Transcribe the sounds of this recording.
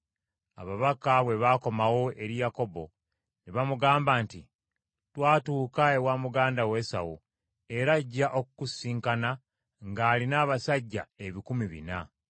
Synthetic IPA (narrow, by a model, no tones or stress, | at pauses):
aβaβakaβwe̞βako̞mawo̞e̞ɾijako̞bo̞̰ | niβamuɡaːmbaːnti | twaːtuːkae̞waːmuɡaːndawe̞sa̰wṵ | e̞ɾaɟːaʔo̞kukusiːŋkana | ŋɡaːlinaːβasaɟːa̰eβikumiβḭna